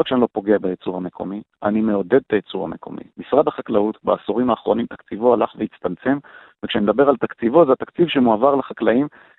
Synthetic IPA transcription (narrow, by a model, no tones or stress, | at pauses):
akʃeanilo̞po̞ɡeabajet͡suʁhame̞kʰo̞mianime̞o̞d̪e̞d̪̚t̪ajet͡suʁa̰me̞̰kʰo̞̰mḭmisʁad̪aχaklautbaːsoʁimaːχʁo̞nimt̪akt͡sivohalaχveit͡st̪alt͡se̞m | vekʃeaned̪abe̞ʁalt̪akt͡sivozeat̪akt͡sivʃemuavaʁleχaklaim